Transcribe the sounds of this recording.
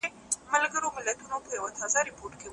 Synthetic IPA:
e | mɐlɡəɾomɪlɐt̪unopəjɐwat̪aːzaɾɪpoːɾʈke

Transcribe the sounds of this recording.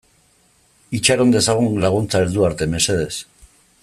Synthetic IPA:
it͡ʃaɾo̞nd̪e̞saɣ̞unlaɣ̞unt͡saeɾðuaɾt̪e̞mese̞ð̞e̞s

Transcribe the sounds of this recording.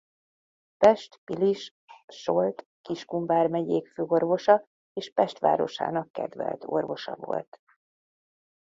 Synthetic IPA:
pɛʃt̪piliʃ | ʃo̞lt̪ | kiʃkuɱvaːrmɛɟeːkføːorvo̞ʃɒ | eːʃpɛʃt̪ʋa̰ːɾo̞̰ʃa̰ːnɒkːɛd̪vɛ̰lt̪o̞̰rvo̞ʃɒ̰vo̞̰lt̪

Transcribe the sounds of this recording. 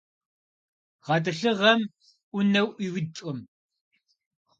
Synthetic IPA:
ʁɐtɨɬɨʁɐm | ʔʷʊnɐwʔiwɪt͡ʃʼʊm

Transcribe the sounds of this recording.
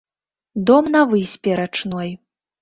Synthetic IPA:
d̪ɔmnɐvɨsʲpʲɛɾat͡ʂnɔj

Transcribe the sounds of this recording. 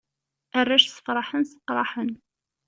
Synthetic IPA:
ʔærˤːæʃsə̥fɾˤɑħənsə̥qːɾˤɑħən

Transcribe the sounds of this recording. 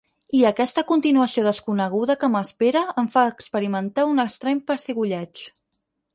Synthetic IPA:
iəkɛst̪əkunt̪inuəsioð̞əskunəɣ̞uðəkəməspeɾəəɱfaːkspəɾimənt̪aunəkst̪ɾɛɲpəɾseɣuʎɛt͡ʃ

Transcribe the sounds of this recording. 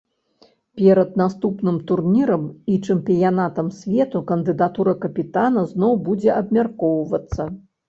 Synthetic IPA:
pʲɛɾɐd̪̚nast̪upnɨmt̪urnʲiɾɐmit͡ʂɛmpʲijanat̪ɐmsʲvʲɛt̪ukɐnd̪ɨd̪at̪uɾɐkɐpʲit̪anɐznɔwbud͡zʲɛʔɐbmʲarkɔwvɐt̪sːɐ

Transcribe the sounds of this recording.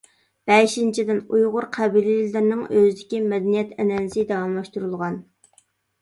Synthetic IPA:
b̥ɛʃint͡ʃʰid̪ɪnujʁʊɾqʰɛbilɪlɪɾnɪŋøzɪd̪ɪkʲimɛd̪ɛnijɛt̪ʰɛnɛnɪsɪd̪ɑwɑmlˠɑʃt̪uɾulˠʁɑn

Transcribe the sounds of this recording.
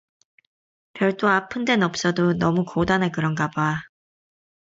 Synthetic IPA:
pjʌɭt͈oapʰɯnde̞nʌp̚s͈ʌdonʌmukodanekɯɾʌnɡaba

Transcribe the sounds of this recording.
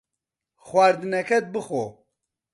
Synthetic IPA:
xwaːɾd̪ɨnɛkʰɛt̪̚bɨxo

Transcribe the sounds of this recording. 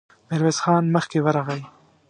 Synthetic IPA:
mɪɾwezxɑnməxkewəɾɑɣəj

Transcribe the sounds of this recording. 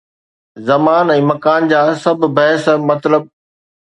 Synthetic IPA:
zɐmaːnɛ̃ːmɐkaːnd͡ʑaːsɐbʱbɐɦsmɐt̪ləb̚

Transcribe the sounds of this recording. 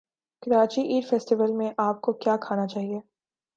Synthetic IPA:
kɪɾaːt͡ʃiʔiːɾfɛːsʈɪʋəlmẽʔaːp̚kokjaːkʰaːnat͡ʃaːɦie

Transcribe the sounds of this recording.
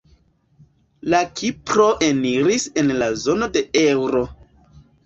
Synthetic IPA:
lakʰipɾo̞ʔe̞niɾise̞nlazo̞no̞de̞ewɾo̞

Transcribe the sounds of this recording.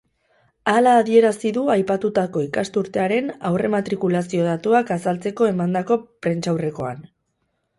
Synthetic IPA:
alaːðie̞ɾasiðuajpat̪ut̪ako̞ikast̪uɾt̪e̞aɾe̞na̰wre̞mat̪ɾikulasio̞ð̞at̪uakasalt͡se̞ko̞e̞mand̪ako̞pɾe̞nt͡ʃawre̞ko̞a̰n

